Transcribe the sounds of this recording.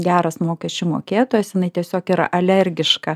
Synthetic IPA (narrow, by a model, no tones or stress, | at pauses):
ɡʲæːɾɐsmoːkʲɛsʲt͡ʃʲʊmo̰ːkʲeːt̪oːjɛsjɪnɐɪt̪ʲiɛsʲoːkiːɾɐ̰ʔɐlʲɛɾʲɡʲɪʃkɐ